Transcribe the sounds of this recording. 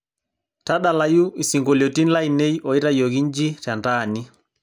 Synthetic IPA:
ta˦ɗa˨la˨ju˦i˨siŋɡɔ˨ljɔ˨ti˦n˦la˦i˨ne˦i˦ʔɔ˨i˦ɾa˦jɔ˨ɣi˦ɲd͡ʒi˦ta˨ndaː˨ni˦

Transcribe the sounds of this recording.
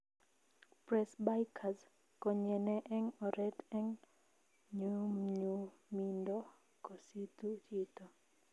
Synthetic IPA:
pɾɛ˨sba˦jkʰa˨s | kɔ˨ɲɛ˨nɛ˦ʔɛ˦ŋɔ˨ɾɛ˦tɛ˦ŋ | ɲu˦mɲu˦mi˦ndɔ˦ | ko˨si˦tu˦t͡ʃi˦t̪ɔ˨

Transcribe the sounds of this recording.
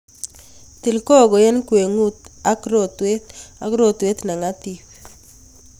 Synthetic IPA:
t̪i˨lko˦˨ɡɔ˨je˦nkwe˨ŋu˦t̪a˦kɾo˦˨t̪we˦t̪a˨kɾo˦t̪we˦t̪na˨ŋa˦t̪i˦p

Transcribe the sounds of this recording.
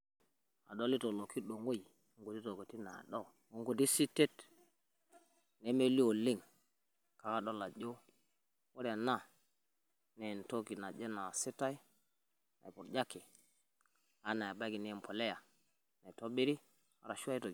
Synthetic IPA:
a˨do˦li˦to˨lo˨ki˦ɗo˨ŋɡo˦i˨˦ | ŋɡu˨ti˦to˨ko˨ti˦na̰˨ɗo˦ | u˦ŋɡo˨t̬i˦si˦te˦t | ne˦me˦li˦o˨li˦ŋ | ka˨ka˦ɗo˦la˨ɟo˦ | wo˦ɾa˨na˦˨ | ne˨nto˦ki˨na˨d͡ʒe˦na˨si˦ta˦i˦ | na̰˨jpu˨ɾd͡ʒa˦kːi˨ | a˦na˨jba˦ki˨ne˦m˨po˨le˦ja˨ | na˨i˨to˦bi˦ɾi˦ | a˦ɾa˨ʃu˦a˦i˦to˨

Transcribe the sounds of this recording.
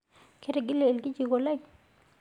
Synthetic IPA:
kʰe˦ɾe˨ɡi˦le˨lɡi˦d͡ʒi˨ɡo˨la˦j

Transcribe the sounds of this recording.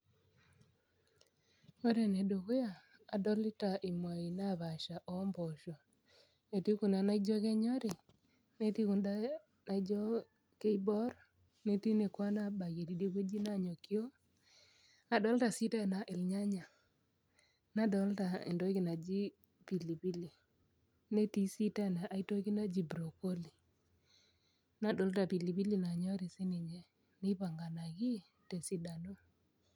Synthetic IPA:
o˦ɾe˨ne˨do˨ɣo˦aː˨ | dɔ˦lɪ˦ta˨ʔi˨mwa˨i˨na˦βa˨ʃa˨ʔɔ˦mbɔ˨ʃɔ˨ | ne˨ti˦ku˨na˨na˦i˦d͡ʒɔ˦kɛ˦ɲɔ˦ɾi˨ | ne˦ti˦ku˨nda˦ | na˨i˦d͡ʒɔ˦ | ke˦i˦bɔ˦ɾ | ne˦ti˦ne˨kwa˦na˦ba˨ɣe˨di˨de˦ɣe˦d͡ʒi˦na˦˨ɲo˨kjo˦ | a˨dɔ˦lta˨si˦ta˦˨na˨ʔɪ˨lɲa˦ɲa˨ | na˦dɔ˨˦lta˨ɪ̰˨ndɔ˦jkɪ˨na˨d͡ʒi˦ | pi˨li˨bi˦li˨ | ne˦ti˦si˦ta˦˨na˨ʔa˨i˦to˦kɪ˦na˦d͡ʒi˨bɾo˨ko˦li˨ | na˦dɔ˨˦lta˨pi˨li˨bi˦li˦na˨ɲɔ˦ɾi˨sɪ˦nɪ˨ɲɛ˨ | nɪ˦pa˨ŋɡa˨na˨kɪ˦ | te˨si˦da˨no˦

